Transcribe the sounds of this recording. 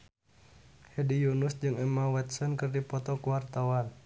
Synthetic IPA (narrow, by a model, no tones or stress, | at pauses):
hɛdijunusd͡ʒɨŋɛmawɛt̪sɔnkɨrdipɔt̪ɔkuwart̪awan